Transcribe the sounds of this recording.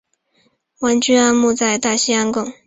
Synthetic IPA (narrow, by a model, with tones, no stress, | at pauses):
wa˧˥nt͡ɕy˥a˥˧nmu˥˧t͡sa˥˧ɪt̪a˥˩ɕi˥a˥nkʊ˥˩ŋ